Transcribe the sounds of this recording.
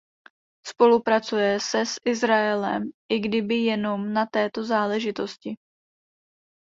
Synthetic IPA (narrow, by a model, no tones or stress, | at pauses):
spo̞lupɾat͡sujɛsɛsʔɪzɾaɛlɛ̰mʔɪɡdɪbɪjɛno̞mnat̪ɛːt̪o̞zaːlɛʒɪt̪o̞scɪ